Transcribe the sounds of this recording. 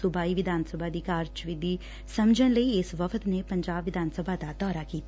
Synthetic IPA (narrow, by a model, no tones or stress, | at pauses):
ʊbaːiːʋɪd̪aːnsəbʱaːd̪iːkaːɾd͡ʒʋɪd̪ʱiː | səmd͡ʒənləiːɪsʋəfʰət̪nepəɲd͡ʒaːbʋɪd̪ʱaːnsəbʱaːd̪ad̪ɔːɾaːkiːt̪a